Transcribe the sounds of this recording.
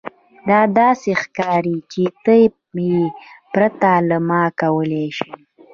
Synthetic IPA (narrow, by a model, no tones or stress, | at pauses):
d̪ɑd̪ɑsexkɑɾit͡ʃet̪ə | pɾat̪alamɑkawəleʃi